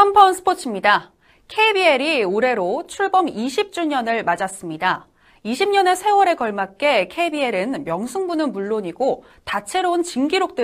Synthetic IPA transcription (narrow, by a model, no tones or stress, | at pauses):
ampʰʌnsʰɯ̥pʰot͡ɕʰimɲida | kʰeibieɾioɾe̞ɾot͡ɕʰuɭbʌmiɕʰip̚t͡ɕ͈uɲʌnɯɭmad͡ʑas͈ɯmɲida | iɕʰimɲʌne̞sʰe̞wʌɾe̞kʌɭmak̚k͈e̞kʰeibie̞ɾɯnmjʌŋsʰɯŋbunɯnmuɭːoɲiɡo | tat͡ɕʰe̞ɾount͡ɕiŋɡiɾok̚t͈ɯ